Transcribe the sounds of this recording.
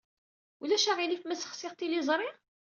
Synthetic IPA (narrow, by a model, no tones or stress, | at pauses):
ulæʃaʁilifmæsə̥χsɪʁt̪ilizˤɾˤi